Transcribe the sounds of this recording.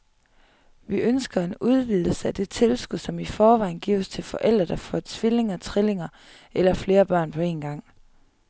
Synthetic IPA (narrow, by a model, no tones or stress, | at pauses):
ʋiʔønsɡ̥ɐe̝nuð̞ˠʋið̞̰ˠl̩səæd̥e̝t͡sʰe̝lsɡ̥uðˠsɒ̽mifɒːʋɑ̈ɪ̰nɡ̥ḭːʊst͡sʰe̝lfɒ̽ʔel̰d̥ʁɐd̥ɑfɒt͡sʰʋile̝ŋɐt͡sʰʁile̝ŋɐ | elɐfle̝ːɐb̥ɶɐ̰npʰɒ̽e̝̰ːnɡ̥ɑ̈ŋ̰